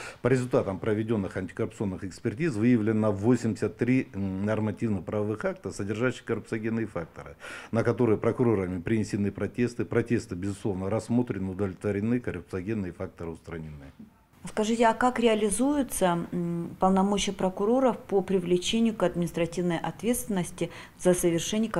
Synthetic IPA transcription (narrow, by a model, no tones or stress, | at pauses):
pəɾʲɪzʊlʲt̪at̪əmpɾəvʲɪdʲo̞nːɨxɐnʲtʲɪ̥kərʊp̚t̪sɨo̞nːɨxɪkspʲɪrtʲizvɨjəvlʲɪnːəvosʲɪmdʲɪ̥sʲət̪ːɾʲinɐrmɐtʲivnɨxpɾɐvɐvɨxak̚t̪əsədʲɪrʐaɕːɪ̥kərʊpt̪sɨɐɡʲenːɨjəfak̚t̪əɾɨ̰nəkɐt̪o̞ɾɨjəpɾəkʊɾo̞ɾəmʲɪpɾʲɪnʲɪsʲɪnɨpɾɐtʲe̞st̪ɨpɾɐtʲe̞st̪ɨbʲɪzʊslˠo̞vnəɾɐsːmo̞t̪ɾʲɪnɨʊd̪əvlʲɪt̪vəɾʲɪnɨkərʊp̚t̪sɨɐɡʲenːɨjəfak̚t̪əɾɨʊst̪ɾɐnʲɪnːɨ | skɐʐɨtʲɪɐkakɾʲɪɐlʲɪzujʊt̪səpəlˠnɐmot͡ɕɪjəpɾəkʊɾo̞ɾəfpopɾʲɪvlʲɪt͡ɕenʲɪjʊkɐd̪̚mʲɪnʲɪst̪ɾɐtʲivnəjʔɐt̪vʲe̞t̪st̪vʲɪnːəsʲtʲɪ | zɐsəvʲɪrʂɛnʲɪjʊk